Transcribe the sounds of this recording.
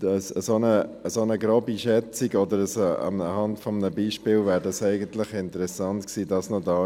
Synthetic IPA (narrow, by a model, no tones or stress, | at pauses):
əsəsonəəsonəɡɾobiʃɛt͡siɡɔd̪əɾəsoə̰ə̰hɑntfɔmnəbiːʃpɪːlvæːɾdɑsɛɪɡəntlɪχɪntəɾɛsɑntksiːdɑsnodɑː